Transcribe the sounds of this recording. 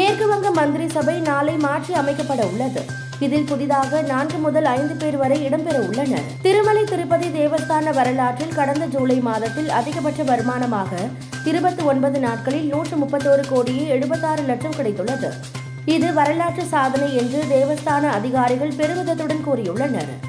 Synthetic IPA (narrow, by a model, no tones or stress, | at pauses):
neːrkɯʋɐŋɡɐmːɐnd̪ɪɾisɐbɐɪnaːlɐɪmaːʈriɐmɐɪkːɐpːɐɽɐʊɭːɐðɯ | ɪðɪlpʊðɪðaːɣɐnaːnɡɯmʊðɐlɐɪnd̪ɯpeːɾɯʋɐɾɐɪɪɽɐmpɛɾɐʊɭːɐnɐ̰t̪ɪɾɯmɐlɐɪt̪ɪɾɯpːɐðid̪eːʋɐst̪aːnɐʋɐɾɐlaːʈrɪlkɐɽɐnd̪ɐd͡ʒuːlɐɪmaːðɐt̪ːɪlɐðɪɣɐp̬ːɐʈrɐbɐɾɯmaːnɐmaːɣɐ | t̪ɪɾɯbɐt̪ːɯɔnbɐðɯnaːʈ̚kɐɭɪlnuːʈrɯmʊpːɐt̪ːoːɾɯkoːɽɪjeɛɽɯbɐt̪ːaːɾɯlɐʈʂɐmkɪɽɐɪt̪ːɯɭːɐðɯ | ɪðɯʋɐɾɐlaːʈrɯsaːðɐnɐɪɛndrɯd̪eːʋɐst̪aːnɐːðɪɣaːɾɪɣɐɭpɛɾɯmɪðɐt̪ːɯɽɐnkuːɾɪjʊɭːɐnɐ̰ɾ